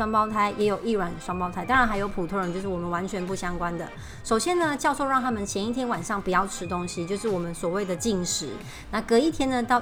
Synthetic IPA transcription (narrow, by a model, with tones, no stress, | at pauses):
wɑ˥ŋpɑ˥˧ʊt̪ʰa˥ɪjɛ˧˥jo˨˩ʊi˥˩ɻwa˨˩nʂwɑ˥ŋpɑ˥ʊtʰa˥ɪt̪ɑ˥ŋɻa˧˥nxa˧˥ɪjo˧˥pʰu˨˩t̪ʰɻə˧˦t͡ɕjo˥˧ʊʂɻ̩˥˩wɔ˨˩mə˦nwa˧˦nt͡ɕʰɥɛ˧˥npu˥˩ɕjɑ˥ŋkwa˦nd̪ə̰˨ | ʂo˨˩ʊɕjɛ˦˥nnə˨t͡ɕjɑ˥˧ʊso˥˧ʊɻɑ˥˩ŋt̪ʰa˥mə˨nt͡ɕʰjɛ˧˥ni˥t̪ʰjɛ˥nwa˨˩nʂɑ˥˩ŋpu˨jɑ˥˩ʊʈ͡ʂʰɻ̩˥t̪o˦ŋɕi˨˦t͡ɕjo˥˧ʊʂɻ̩˥˩wɔ˨˩mə˦nswɔ˨˩we˥˩ɪd̪ə˩t͡ɕi˥˩ŋʂɻ̩˨˩˦ | na˥˩kɤ˧˥i˥˩t̪ʰjɛ˥nnə˨t̪ɑ˥˩ʊ